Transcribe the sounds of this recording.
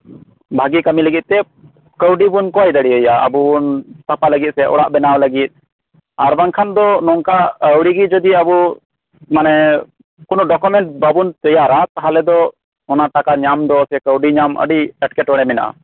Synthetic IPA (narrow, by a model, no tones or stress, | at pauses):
bʱaɡikamiləɡit̪̚t̪ɛ | kəwɖibunkɔjd̪əɽiəjaə̰bubunt̪apaləɡit̪̚sɛʔɔ̰ɽaʔbɛnawləɡit̪̚ˀ | aɾbaŋkʰand̪ɔnɔŋkaəwɽiɡid͡ʒɔd̪iəbu | manɛ | kunɔɖɔkɔmɛɳʈ̚babunt̪əjaɾat̪aɦalɛd̪ɔ | ɔnaʈakaɲamd̪ɔsɛkəwɖiɲamə̰ɖiɛʈkɛʈwɔɽɛmɛna̰ʔa̰